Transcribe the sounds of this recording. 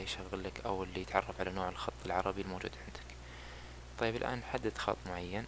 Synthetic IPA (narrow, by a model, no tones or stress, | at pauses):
jʃaɣːɪlːakʔawɪlːijɪt̪ʕɑrˤːɑfʕalanoːʕɪlxɑt̪ˤːɨlʕɑɾˤɑbilmowd͡ʒṵːd̪ʕɪnd̪ɪ̥k | t̪ˤɑjːɪbɪlʔa̰ːnħad̪ːɪd̪xɑ̰t̪ˤːmʊʕajːan